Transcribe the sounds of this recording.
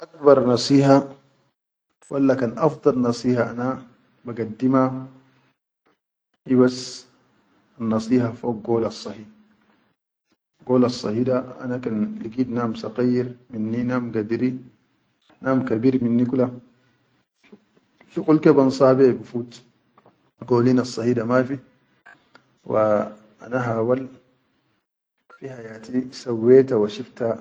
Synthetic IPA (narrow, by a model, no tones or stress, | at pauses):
ʔakbɑɾˤnɑsˤiːha | fʔalːakanʔɑfd̪ˤɑlnɑsˤiːhaʔana | baɡad̪ːima | ibas | anːɑsˤiːhafoːk̚ɡoːlɑsˤːɑhiː | ɡoːlasˤːɑ̰hiːdaʔa̰nakanliɡiːd̪naːmsɑqijɾminːinaːmɡad̪iɾi | naːmkabiːɾminːikula | ʃuqulkebansˤɑːbebifuːt̪ | ɡoːliːnɑsˤːɑhiːdamafi | wʔa | ʔa̰naɦaːwal | fihajaːt̪isawːeːt̪awaʃift̪a